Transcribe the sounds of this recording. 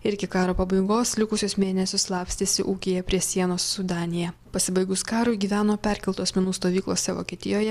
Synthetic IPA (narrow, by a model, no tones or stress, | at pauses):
ɪɾʲɡʲɪkɑːɾoːpɐbɐɪɡoːslʲɪkʊsʲʊsmʲeːnʲɛsʲʊslˠɑːpʲst̪ʲeːsʲɪ̰ʔuːkʲejɛpʲɾʲiɛsʲiɛnoːsːʊd̪ɑːnʲɪjɛpɐsʲɪbɐɪɡʊskɑːɾʊɪɡʲiːʋʲæːnoːpʲɛɾʲkʲɛlˠt̪oːsʲmʲɛnuːst̪oːʋʲiːklˠoːsʲɛʋo̰ːkʲiɛt̪ʲɪjoːjɛ